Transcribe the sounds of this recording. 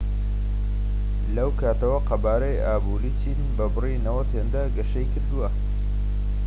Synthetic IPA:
lɐwkʰaːt̪ɐwɐqɐbaːɾɐjaːbuɾiːt͡ʃʰiːnbɐbɨrinɐwɐt̪heːnd̪ɐɡɐʃɐjkɨɾd̪uwɐ

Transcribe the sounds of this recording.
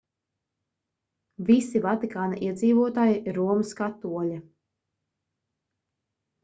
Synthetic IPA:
visivat̪ikaːnaʔiɛd̪ziːvuɔt̪aːjiʔiɾːuɔmɨskat̪ːuɔʎʲa

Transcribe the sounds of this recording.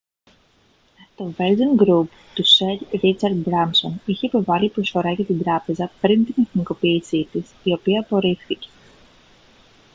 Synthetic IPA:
t̪o̞ve̞lzonɡɾup | t̪useɾɾit͡sɐɾd̪̚bɾɐmso̞niçe̞ipo̞vɐlipɾo̞sfo̞ɾɐʝɐt̪ind̪ɾɐpe̞zɐpɾint̪ine̞θniko̞piːsit̪isio̞piɐːpo̞ɾifθice̞̥

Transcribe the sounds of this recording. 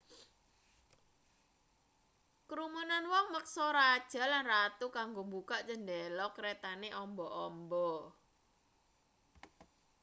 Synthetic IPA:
kɾumunanwɔŋmək̚sɔɾad̥ʒ̥a̤lanrat̪ukaŋɡombukaʔt͡ʃəndɛlɔkɾɛt̪aneʔɔmbɔʔɔmbɔ

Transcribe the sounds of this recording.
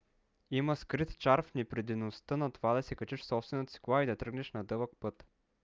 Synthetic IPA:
imɐskɾit̪t͡ʃaɾfnipɾɛd̪inost̪ənɐt̪ovad̪ɐsɛkɐt͡ʃɛʃsɔpst̪vɛnət̪ə̥si̥klˠaid̪ɐt̪ɾɤɡnɛʃnɐd̪ɤvəkpɤt̪

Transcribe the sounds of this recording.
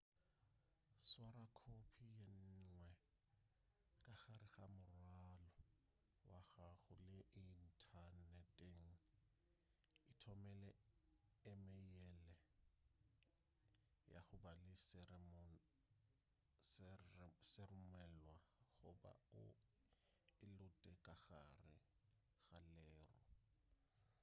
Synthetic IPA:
swaɾakʰopʰijen̩ŋwɛ | kʼaχaɾɪɣamʊrwalɔ | waɣaɣʊlɪʔin̩tʰanɛtʼeŋ̩ | ɪtʰɔmɛlɛ | ɪmɛjɛlɛ | ja̰χʊbalɪsm | s | serʊmɛlwaɣʊba̰ʊ̰ | ɪlʊtʼɛkʼaɣa̰rɪ̰ | ɣalɛːrɔ̰

